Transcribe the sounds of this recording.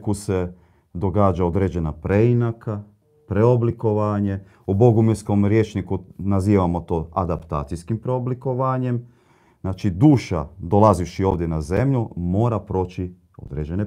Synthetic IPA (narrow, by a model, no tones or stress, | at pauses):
kuse̞ | d̪o̞ɡaːd͡ʒao̞d̪ɾed͡ʑe̞napɾe̞inakʰa | pɾeobliko̞ʋaɲe̞ | ubo̞ɡumesko̞mɾje̞ːt͡ʃnikunaziːʋamo̞t̪o̞ːad̪apt̪a̰ːt̪sijskimpɾeo̞bliko̞ʋaɲe̞m | znaːt͡ʃid̪uːʃa̰d̪o̞laziʃio̞ːʋd̪je̞naze̞mʎumo̞ːɾapɾo̞ːt͡ɕi | o̞̰d̪ɾed͡ʑe̞ne